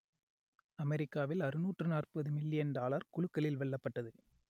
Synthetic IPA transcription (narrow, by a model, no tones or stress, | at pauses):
ɐmɛɾɪkːaːʋɪlɐɾɯnuːʈrɯnaːrpɐðɯmɪlːɪjɐnɖaːlɐɾkʊɭʊkːɐlɪlʋɛɭːɐpːɐʈːɐðɯ